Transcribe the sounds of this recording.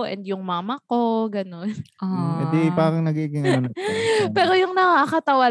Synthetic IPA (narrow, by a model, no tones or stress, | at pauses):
ʔɛ̰nd̪jʊŋmaːmɐko̞ɡɐno̞nʔoɛd̪ipaːkɪŋnɐɡiɡɪŋɐnpɛːɾo̞jʊŋnɐŋaʔkɐt̪ɐwɐ